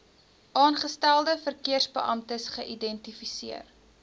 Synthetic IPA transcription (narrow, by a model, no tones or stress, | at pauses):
ʔɑːnχəstælˠdəfərkiərsbəʔɐmtəsχəʔidɛntifisiər